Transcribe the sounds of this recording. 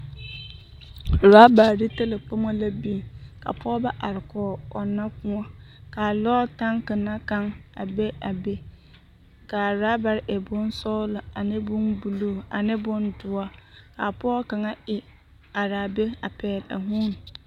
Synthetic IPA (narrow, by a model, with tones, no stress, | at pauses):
ɾa˦ba˨ɾi˦ta˦lɪ˨k͡po˦mã˦la˦bi˦ka̰˨pʰɔː˦bɛ˦ʔa˨ɾɪ˨kʰɔː˨ɔ˨nːã˦kʊ̃˦ɔ˦ka˨lɔː˦tã˦ŋkɪ˨nã˦kã˦ŋa˨be˦a˨be˦ | ka˨ɾa˦ba˨ɾʔɛ˨bʊ̃˦n˦sɔ˦lʊ˨a˨nɪ̃˦bʊ̃˦nbu˨lu˦a˨nɪ̃˦bʊ̃˦ndʊ˨a˦ka˨pʰɔ˦kã˨ŋa˦ɪ˨ | a˨ɾa˨be˦a˨pʰɛː˨la̰˨ɦũ˦n˨